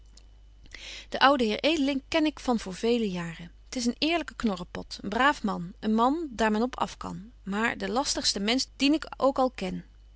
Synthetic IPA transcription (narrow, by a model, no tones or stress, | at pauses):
d̥əʔʌwdəɦɪːɹʔejdəlɪŋkɛnɪkfɑnvʊːɹvejləjaːrə | ətɪs̬ənɪːɹləkəknɔrəpɔtənbraːfmɑnənmɑndaːɹmɛnɔpʰɑ̰fkɑ̰n | maːɹdəlɑstəχstəmɛnsd̥inɪkʔowkɑlˠkɛn